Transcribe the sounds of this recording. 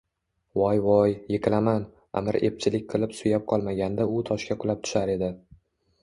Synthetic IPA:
wɒjvɒjːeqʰʲɨlaman | a̰mɪɾe̞p̚t͡ʃʰɪlɪk̚ʲqʰɨlˠɪpsʊjap̚qʰɒlˠmaɡʲand̪aʊt̪ʰɒʃkʲaqʰʊlap̚t̪ʰʊ̥ʃaɾe̞d̪ɪ

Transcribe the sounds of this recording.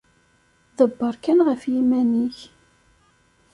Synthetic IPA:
ðəbːəɾˤkænʁəfjimæniç

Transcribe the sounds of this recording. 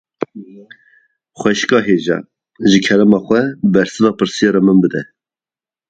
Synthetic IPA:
χʷɛʃkɑːɦeːʒɑ̰ | ʒɨkʰɛɾɛmɑːχʷɛbɛɾsɨnɑːpɨɾsijɑɾɑmɨnbɨd̪ɛ

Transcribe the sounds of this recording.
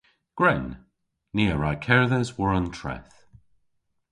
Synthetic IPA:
ɡ̥ɹɛn | niːəɹakʰɛɹðəzwəɹəntʰɹ̥ɛ̰θ

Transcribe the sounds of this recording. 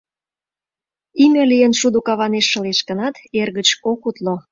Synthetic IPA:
imʲelijənʃud̪ukɑβɑneʃːə̆leʃkə̆nɑt̪erɣət͡ɕokut̪lo

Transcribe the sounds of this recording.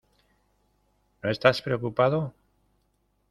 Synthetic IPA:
no̞e̞st̪aspɾeokupaðo

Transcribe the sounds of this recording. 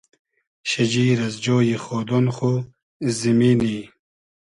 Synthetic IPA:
ɕɐd͡ʑiːɾɐzd͡ʑoːjiχoːd̪onχo | zimini

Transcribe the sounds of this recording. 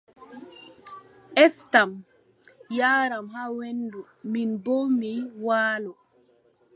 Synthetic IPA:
ʔɛftam | jaːɾamhawendu | minbomiwaːlɔ

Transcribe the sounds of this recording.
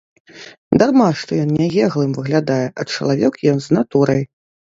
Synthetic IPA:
d̪armaʂt̪ɔjɔnnʲɛɣʲɛɣlˠɨmvɨɣlʲad̪ajɛʔɐt͡ʂɐ̰lˠavʲɛkjɔnznat̪uɾɐj

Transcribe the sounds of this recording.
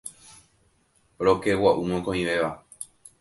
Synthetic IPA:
ɾokewaʔumõkõĩʋe̞ʋa

